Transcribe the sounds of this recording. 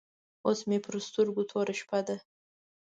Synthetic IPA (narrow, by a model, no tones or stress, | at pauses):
osmepʰrɨst̪ʰuɾɡut̪ʰoɾaʃpʰad̪a